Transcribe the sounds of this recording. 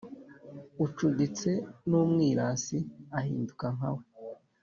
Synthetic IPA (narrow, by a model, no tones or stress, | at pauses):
ut͡ʃudit͡se̞nuːmŋiːɾaːsiahḭːndukaŋ̥awe